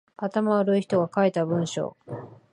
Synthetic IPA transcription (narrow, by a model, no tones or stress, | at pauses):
at̪amaβaɾɯ̟içi̥t̪o̞ɡakaet̪abɯ̟̃ɰ̃ɕo̞̰ː